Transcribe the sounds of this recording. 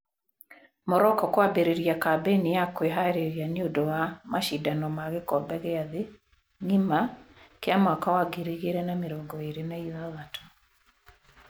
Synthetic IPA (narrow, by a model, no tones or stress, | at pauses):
mɔɾɔkɔkwabeɾeɾjakabenijakweɦaeɾeɾianeodɔwamaʃidanɔmaɣekɔbɛɣɛaðe | ŋimakeamwakawaɡeɾiɣeɾɛnameɾɔɡɔeɾenaiðaðatʰo̥